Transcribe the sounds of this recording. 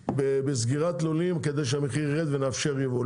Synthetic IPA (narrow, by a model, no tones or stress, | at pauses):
bebezɡiʁat̪lolimked̪ejʃ̬eameχiʁːed̪venaːfʃe̞ʁjevo